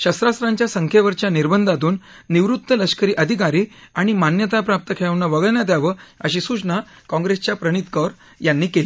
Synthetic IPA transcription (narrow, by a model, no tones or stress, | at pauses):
ɕəst̪ɾast̪ɾãɲt͡ɕjasəŋkʰeʋəɾt͡ɕjaniɾbənd̪ʱat̪uːnː | iʋɾut̪ːələɕkəɾiːʔəd̪ʱikaɾiː | aɽ̃imanjət̪apɾap̚t̪əkʰeɭəʋnəʋəɡəɭɳjat̪̬jaʋəə̰ɕiːsut͡ɕnakɔ̃ŋɡɾest͡ɕjapɾəɽ̃it̪kəɾ | janːiːkeli